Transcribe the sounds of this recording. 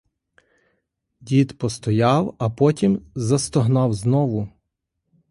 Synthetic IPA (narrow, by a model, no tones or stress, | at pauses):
dʲit̪pɔst̪ɔjɑwɐpɔtʲimzɐst̪ɔɦnɑwznɔʋʊ